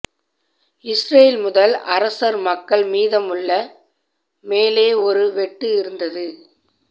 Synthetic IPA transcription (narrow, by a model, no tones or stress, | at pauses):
ɪsɾɐjɪlmʊðɐlʔɐɾɐsɐɾmɐkːɐɭmiːðɐmɯɭːɐ | meːleːɔɾɯʋɛʈːɯɪɾɯnd̪ɐðɯ